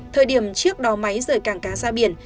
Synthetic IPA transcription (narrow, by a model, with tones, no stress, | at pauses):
t̪ʰəː˨˩jɗi˧˩əmt͡ɕɨ˦˥ək̚ɗɔ˨˦ma˨˦jzəː˧˩jkaː˧˩ŋkaː˨˧˦zaː˧ɓḭ˧˩ən